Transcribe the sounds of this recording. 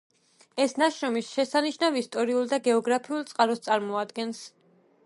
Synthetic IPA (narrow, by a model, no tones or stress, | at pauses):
ɛsnaʃɾɔmisʃɛsaniʃnavist̪ʼɔɾiulˠd̪aɡɛɔɡɾapʰiulˠt̪sʼqʼaɾɔst̪sʼaɾmɔad̪ɡɛns